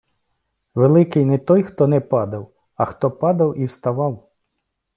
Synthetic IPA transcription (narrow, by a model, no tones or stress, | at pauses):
ʋelˠɪkɪjnɛt̪ɔjxt̪ɔnɛpɑd̪ɐw | ɐxt̪ɔpɑd̪ɐwiwst̪ɐʋɑw